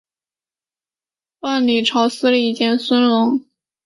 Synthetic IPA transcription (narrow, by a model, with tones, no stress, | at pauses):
wa˥˩nli˨˩ʈ͡ʂʰɑ˧˥ʊsɹ̩˥li˥˩i˥˩t͡ɕjɛ˥˩nswə˥nlʊ˧˥ŋ